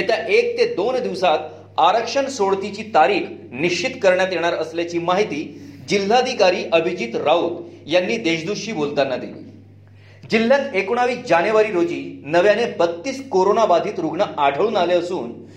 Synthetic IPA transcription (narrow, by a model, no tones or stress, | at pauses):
et̪jaʔek̚t̪ed̪ond̪iʋsat̪ | aɾəkʂəɳsoɽt̪it͡ɕiːt̪aɾiːk | niɕt͡ɕit̪kəɾɳjat̪jeɽ̃aɾəsljat͡ɕiːmaɦit̪iːd͡ʑilːaəd̪ʱikaɾiːʔəbʱid͡ʑiːt̪ɾaut̪janːiːd̪eɕd̪uɕiːbolt̪anːad̪ḭlḭː | d͡ʑil̤ːjãt̪ekuɳ̃aʋiːd͡ʑanjoʋaɾiːɾod͡ʑiːnəʋjanebət̪ːiːskoɾonabad̪ʱiːt̪ɾuɡɳəʔaɖʱəɭuːnaleəsuːn